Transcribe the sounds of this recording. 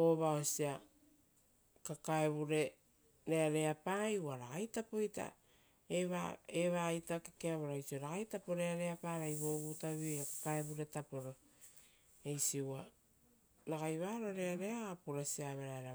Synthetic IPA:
o̞βaosia | kakaeβuɾe̞ | ɾe̞aɾe̞apajuaɾaɣajtapo̞jta̰ | eβaeβajtakekeaβoɾajsioɾaɣajtapo̞ɾeaɾe̞apaɾajβo̞βutaβijakḁkaeβuɾe̞tapo̞ɾo̞ | ejsiua | naɡajβaːɾo̞ɾe̞aɾe̞aːpuɾasiaβeɾaeɾa

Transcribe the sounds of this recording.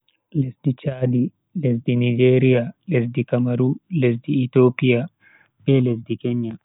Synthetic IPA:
lɛsdit͡ʃaːdi | lɛsdinid͡ʒeːɾijalɛsdikamaɾulɛsdiːt̪opija | bɛlɛs̬dikɛɲːam

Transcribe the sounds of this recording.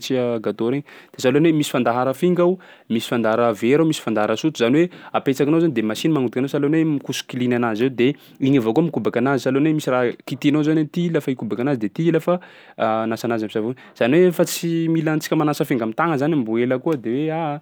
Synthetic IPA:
t͡siaɡat̪oɾeɲd̪̥esalonwemisi̥fand̪aɦaɾəfiŋɡawmisi̥fand̪aaɾəveɾawmisi̥fand̪aɦaɾasut̪uzaniweapet͡sakinowzanid̪emasinmaŋud̪ikanowsalonwemikusu̥kilinanazewd̪e | iɲavokuəmikubakanazisalonwemisiraɦkit̪inozanat̪ilafaikubakanazid̪et̪iilafa | nasanazamisavun | z̥aniwefat͡similant͡si̥kʲəmanasəfiŋɡamit̪aŋəzanimbueləkuəd̪ewea

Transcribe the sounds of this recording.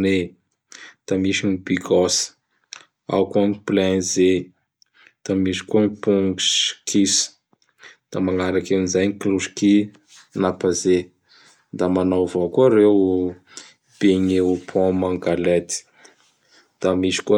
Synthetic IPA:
ne | d̪̥amisinibiɡɔsə̥ | a̰wkuaŋiplɛ̃nze | d̪̥amisi̥kuaŋipuŋɡuskʰis | d̪̥amaŋaɾakanizajnikluʃki | napaze | d̪amanawvokuəɾew | b̥eɲeupʰɔ̃maŋɡalet̪i̥ | d̪̥amisi̥ku

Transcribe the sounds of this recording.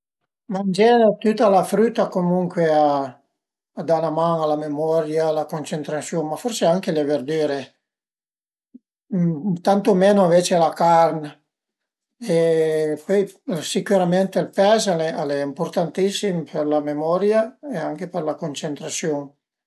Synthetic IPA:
mand͡ʒɛːnt̪ut̪ːalafɾyt̪ːakomuŋkweaː | d̪anamanalamemɔɾjalakont͡ʃent̪ɾasjonmaforseaŋkeleverd̪iːɾe | t̪ant̪omeːnoveːt͡ʃealakarn | epɔjsikuɾament̪elpɛːzalɛalɛimport̪ant̪isːimpʰerlamemɔɾjaeaŋk̟eperlakont͡ʃent̪ɾasjon

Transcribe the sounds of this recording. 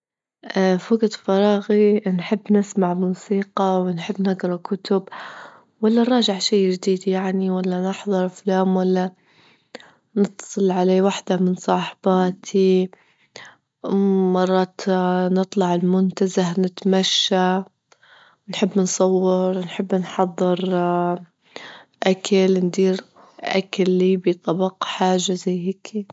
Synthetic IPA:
ʔfaɡt̪fɑɾˤɑːɣinħɪbːnɪsmaʕmuːsiːqɑwɪnħɪbːnɪɡɾˤɑkʊt̪ʊb | walːanɾˤɑːʒɪʕʃiːd͡ʒd̪iːd̪jaʕniwalːanɪħðˤɑɾˤflaːmwalːa | nɨt̪ːsˤɨlʕaleːwaħd̪amɪnsˤɑːħb̥aːt̪ʰi | mɑrˤːɑːt̪nɨt̪ˤlɑʕɪlmʊnt̪azahnɪt̪maʃːa | nħɪbːnsˤɑwːɪɾnħɪbːnħɑðˤːɨɾ | ʔakʰalnd̪iːɾ | ʔa̰kalːiːbit̪ˤɑbɑqħaːʒːazajhɪːkʰi

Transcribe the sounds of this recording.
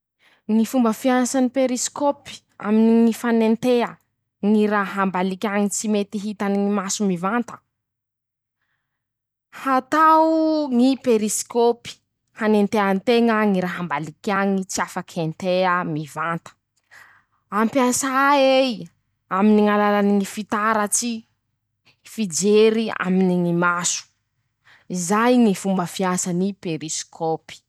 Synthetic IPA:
ŋifumbəfiansanipeɾiskopi̥ | a̰miniŋifanent̪ea | ŋiɾaɦambalikʲaŋit͡simet̪iɦit̪aniimasumivant̪ə̥ | hat̪aŋipeɾiskopi̥ | hanent̪eant̪eŋaŋiɾaɦambalikʲaŋit͡siafakʰent̪eamivant̪ə̥ | ampjasaej | aminiŋalalaniŋifit̪aɾət͡si | fid͡ʒeɾia̰miniŋimasu̥ | izajŋifumbəfiasanipeɾiskʰopi̥

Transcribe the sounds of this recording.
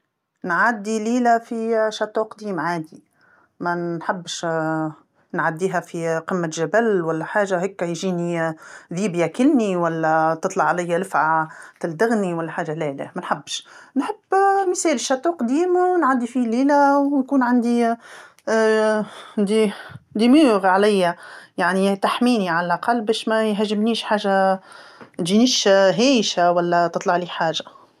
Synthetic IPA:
nʕad̪ːiliːlæfiʃat̪ˤːuːqd̪iːmʕaːd̪i | mæħabːʃ | nʕad̪ːiːɦæfiqɪmːæʒæbælwælːæħaːʒahɪkːæjʒiːniðiːbjakɪlniwælːæt̪ɨt̪ˤlɑʕalæjːalɪfʕat̪ɪld̪aɣniwælːæħaːʒalæːlæ̰mænħabːʃnħɪb̥ːmɪsɛːlʃɑt̪ˤuqd̪iːmawnʕad̪ːifiliːlæwnkuːnʕand̪i | nd̪id̪imuːɣʕalæjːæjaʕnit̪aħmiːniʕalælʔɑqɑlːbæːʃmæjɦæʒːɪmniːʃħaːʒːa | ʒiniːʃɦæːjʃawælːæt̪ɨt̪ˤlɑʕliːħaːʒa

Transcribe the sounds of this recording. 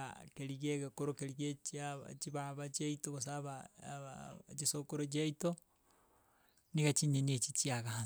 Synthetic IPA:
a̰keɾiɣeɣekoɾokeɾiɣet͡ʃiat͡ʃiβaβat͡ʃiaitoɣos̬aβa̰ | t͡ʃisokoɾot͡ʃiaito | niɣat͡ʃiɲeniet͡ʃit͡ʃiaɣaa

